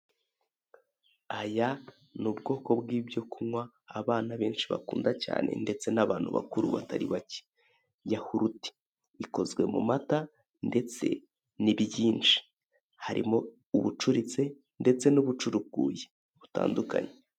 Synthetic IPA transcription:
aja | nubɡo̞ːko̞bɡiːbjo̞kumwaː | βaːnaβeːnʃiβa̰kuːndaca̰ːnʔe̞̰nde̞t͡se̞naβaːn̥huβa̰kuɾṵβa̰taɾiβace̥ | jahuɾuti̥ | iko̞zɡwe̞mṵmata | nde̞t͡se̞̰ | niβjiːnt͡ʃi̥ | haɾʔḭmo | uβut͡ʃuɾit͡se̞ | nde̞t͡se̞nuβut͡ʃuɾukɡuːje | βuta̰ːnduka̰ɲe

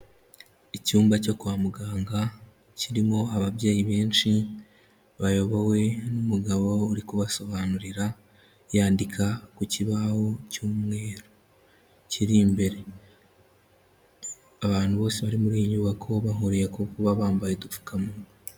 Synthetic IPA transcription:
icuːmbaco̞kuwaːmuɡaːŋɡa | ciɾimo̞aβaβjeːjiβe̞ːnt͡ʃi | βajo̞βowe̞numuɡaβo̞uɾikuβaso̞βanuɾiɾa | jaːndikʰakuciβaho̞cuːmŋe̞ːɾo | ciɾimbe̞ɾe̞ | aβaːnhuβo̞ːseβaɾimuɾiːjiɲɲuβakʰo̞βaɦuɾijekokuβaβaːmbajedufu̥kʰamuno

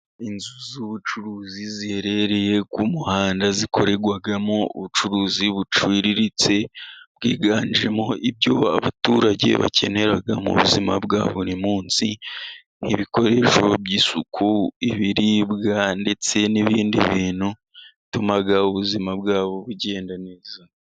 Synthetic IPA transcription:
inzuzuβut͡ʃuɾuːzizihe̞ɾe̞ɾe̞je̞kumuhaːndaziko̞ɾe̞ɡwaɡamoṵβut͡ʃuɾuːziβut͡ʃwiːɾiɾit͡se̞bɡiːɡaːniɾemoʔib̚ɟoaβatuɾaɟe̞̰βa̰cʰe̞̰ne̞ɾaɡamṵβuzimabɡa̰ːβuɾimuːnsi | niβiko̞ɾe̞ːʃo̞bɟiːsukʰuiβiɾibɡande̞t͡se̞niβiːndḭβiːnhu | itumaɡauβuzimabɡaːβo̞βuɟe̞ːndaneːza

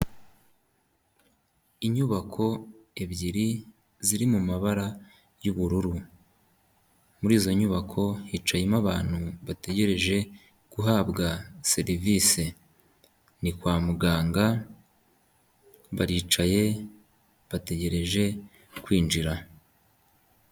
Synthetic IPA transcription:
iɲuβakʰo̞e̞βɟiɾi | ziɾimumaβaɾa | juβuɾuɾu | muɾiːzo̞ɲuβakʰo̞hit͡ʃajemaβaːn̥huβate̞ɟe̞ɾe̞ʒe̞ | ɡ̥uɦaːbɡase̞ɾiviːse | nikwaːmuɡaːŋɡa | βaɾiːt͡ʃaje̞ | βate̞ɟe̞ɾe̞ʒe̞ | kwiːnd͡ʒiɾa

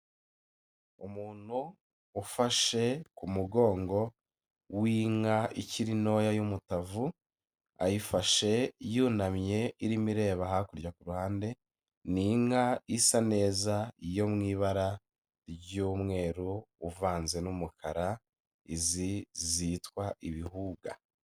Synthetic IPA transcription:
umuːn̥huː | faʃe̞kumuɡo̞ːŋɡo̞ | wiŋaiciɾino̞ːjajumutavu | a̰jifaʃe̞juːnamɲe̞iɾimiɾe̞ːβahakuɾɟakuɾuhaːnde̞ | niŋaisane̞ːzaijo̞mŋiːβaɾa | ɾɟuːmŋe̞ːɾuːvaːnze̞numukʰaɾa | izizitkwaʔiβihuːɡa̰

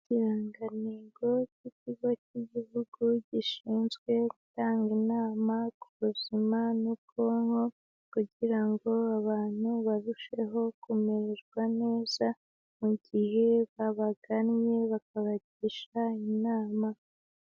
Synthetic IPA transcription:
ciɾaŋɡaniːɡociciɡwaciɟihuɡ̥uɟiʃiːnzɡwe̞ɡutaːŋɡinaːmakuβuzimanukʰoːŋo̞ | kuɟiɾaŋɡo̞aβaːn̥uβaɾuʃe̞ɦo̞kumeɾeɾɡwane̞ːz̥a | muɟihe̞βaβaɡanɲe̞βak̚aβaɟiʃainaːma

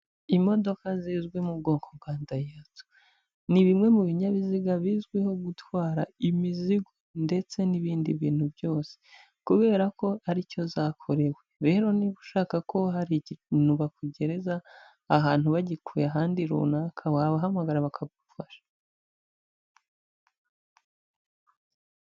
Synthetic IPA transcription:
imo̞do̞kaziːzɡwemubɡo̞ːŋkʰoβɡaːndajato̥ | niβimŋe̞muβiɲaβiziɡaβiːzɡwiho̞ɡutwaːɾaimiziɡonde̞t͡se̞niβiːndiβiːn̥hubjo̞ːse̥ | kuβe̞ːɾako̞aɾico̞zaːkʰo̞ɾe̞we̞ɾe̞ːɾo̞niβuʃaːkakʰo̞ɦaɾiɟnuβakuɟe̞ɾe̞zaː | ɦaːn̥huβaɟikʰuːjeaɦaːndiɾṵnaːkʰawaːβaɦamaɡaɾaβakʰaɡufaʃḁ

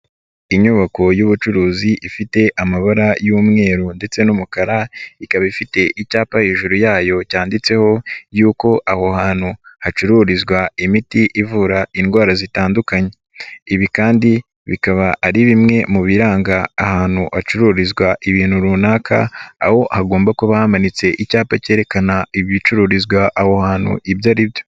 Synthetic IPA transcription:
iɲuβako̞juβut͡ʃuɾuːziʔifite̞ʔamaβaɾajuːmŋe̞ːɾunde̞t͡se̞numukaɾaikaβaifite̞ʔicaːpaheːʒuɾujaːjo̞caːndit͡se̞ho̞juːko̞ʔaho̞haːn̥huhat͡ʃuɾuɾizɡwaimitiʔivuːɾainɡwaːɾazitaːndukaɲe̞ | iβikaːndi | βikaβaʔːɾiβimŋe̞muβiɾaːŋɡaːhaːn̥huhat͡ʃuɾuːɾizɡwaʔiβiːn̥huɾuːnaːkʰa̰a̰ho̞haɡo̞ːmbakuβahamanit͡se̞ʔicaːpace̞ːɾe̞kanaiβit͡ʃuɾuɾizɡwaʔaho̞haːn̥hṵʔibjaɾibjo̞

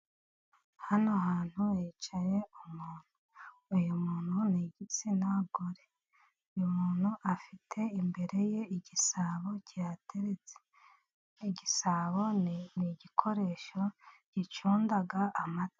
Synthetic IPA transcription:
hanoɦaːn̥huet͡ʃaje̞umuːn̥huːjumuːn̥huniɟit͡sinaɡoɾe | ujumuːn̥huʔafitʰe̞imbe̞ɾe̞je̞iɟisaːβo̞catʰeɾet͡se̥ | iɟisaβo̞niɟikʰo̞ɾe̞ːʃo̞ɟ̥it͡ʃuːndaɡaʔːmate̥

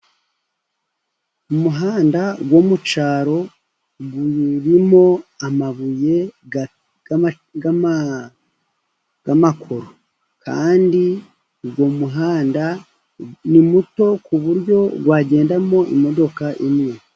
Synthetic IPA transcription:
umuɦaːndaɡwo̞mut͡ʃaːɾo̞ | βuɾimo̞amaβuje̞ | ɡ | ɡ̥amakʰo̞ɾo | ka̰ːndi | ɡwo̞muɦaːnda | nimuto̞kuβuɾɟo̞ɡwaːɟe̞ːndamo̞ʔḭmo̞do̞kaʔimwe

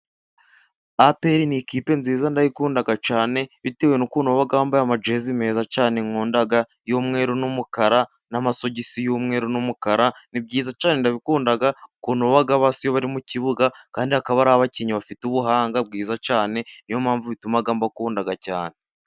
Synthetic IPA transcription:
apeɾinikiːpe̞nziːzandajikuːndaɡat͡ʃaːne̞βite̞we̞nukuːnoβaɡaβambajamad͡ʒeːzime̞ːzacaːneŋoːndaɡa | jomŋe̞ːɾunumukaɾa | namaso̞ɟisijumŋe̞ːɾunumukaɾanib̚ɟiːzat͡ʃaːne̞ndaβikuːndaɡaukuːnoβaɡaβaːsijoβaɾimuciβuɡakaːndiakaβaɾaaβaciɲiβafituβuɦaːŋɡab̚ɡiːzacaːne̞ijo̞mhaːɱvuβitumaɡaːmbakuːndaɡaca̰ːne̞

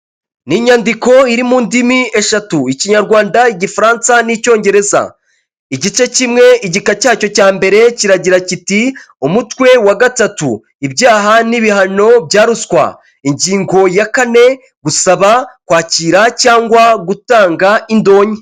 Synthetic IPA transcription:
niɲandiko̞iɾimuːndimie̞ʃatuiciɲaɾɡwaːndaiɟifaɾaːnsanico̞ːɲɟe̞ɾeza̰ | iɟit͡ʃe̞cimŋe̞iɟikacaːco̞caːmbe̞ɾe̞ciɾaɟiɾaciti | umutwe̞waɡatatṵ | ibjaːɦaniβihano̞b̚jaːɾuskwa̰ | iɲɟiːŋɡo̞jakane̞ | ɡusaβakwaːciːɾacaːŋɡwaɡutaːŋɡaindo̞ːɲi

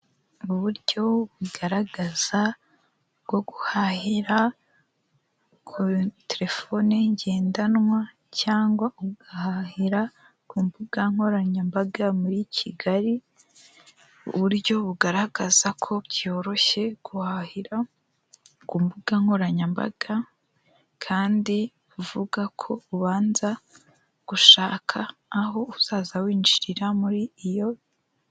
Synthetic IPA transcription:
uβuɾɟo̞βuɡaɾaɡaz̥a | ɡ̥o̞ɡuhahiɾa | kʰuteɾe̞fo̞neɲɟe̞ːndanwa | caːŋɡwaʔuɡahahiɾa | kuːmbuɡaŋho̞ɾaɲambaɡamuɾicʰiɡaɾi | uβuɾɟo̞βuɡaɾahɡ̥azakʰo̞ɟjo̞ːɾo̞çe̞ɡ̥uhahiɾa | kuːmbuɡ̥aŋho̞ɾaɲamba̰ɡ̥a | kʰaːndi | βuvuɡakʰo̞uβaːnza | ɡ̥uʃaːkʰaːɦo̞uzaːzawiːnd͡ʒiɾiɾamuɾiːjo̞

